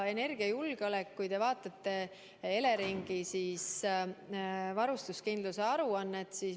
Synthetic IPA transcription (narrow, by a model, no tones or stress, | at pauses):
e̞ne̞rɡ̥iɑjulɡ̥eolekːujd̪e̞vɑːt̪ːˑɑt̪ːe̞ | e̞le̞ɾiŋɡ̥isiːs | vɑɾust̪uskind̪luseɑɾuɑnːet̪siːs